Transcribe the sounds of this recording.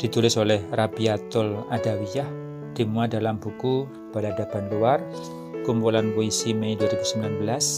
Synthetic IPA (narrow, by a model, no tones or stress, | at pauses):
d̥i̤t̪ulɪsolɛhrabiat̪ʊlad̥awijah | d̪̥i̤muadalambuku | b̥aladab̥anluar | kumpulanwoisimɛjduaɾibusəmbilanbəlas